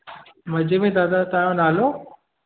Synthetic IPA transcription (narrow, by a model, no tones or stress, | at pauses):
mɐd͡ʑemẽd̪aːd̪at̪aːjõnaːlo